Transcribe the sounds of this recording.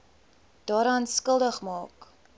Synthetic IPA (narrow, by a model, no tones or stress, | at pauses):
d̥ɑːɾɐːnskəlˠdəχmɑːk